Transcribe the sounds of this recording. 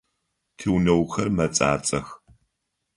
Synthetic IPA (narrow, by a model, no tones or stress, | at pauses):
tʰiwnɐwxɐrmɐt͡sʼa̰ːt͡sʼɐx